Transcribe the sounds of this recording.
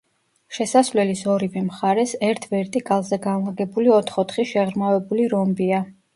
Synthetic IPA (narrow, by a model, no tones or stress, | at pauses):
ʃɛsasvlɛlisɔɾivɛmχaɾɛsɛɾt̪ʰvɛɾt̪ʼiɡalˠzɛɡanlˠaɡɛbuliɔt̪ʰχɔt̪χiʃɛʁɾmavɛbuliɾɔmbia